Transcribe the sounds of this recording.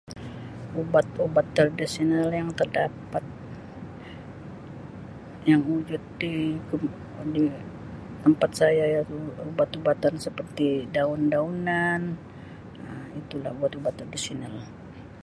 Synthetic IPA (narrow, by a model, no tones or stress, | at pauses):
ubat̪̚obat̪ːərdisinəljaŋt̪ərdapat̪̚ | jaŋud͡ʒʊt̪̚dikə | di | t̪əmpat̪̚sajajaubat̪ubat̪ansəpərt̪idaʊndaunan | əmit̪ula̰hubat̪ubat̪ːərdisinal